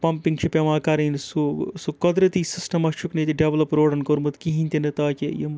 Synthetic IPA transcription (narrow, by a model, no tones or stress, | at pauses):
pɐmpiŋɡt͡ʃʰipʲeʋãːkaɾɐnsusukɐd̪ɾɐt̪isisʈɐmɐt͡ʃʰuknet̪iɖeʋlɐpɾoːɖɐnkoɾmɨt̪kiɦinʲt̪inɐt̪aːkijḭm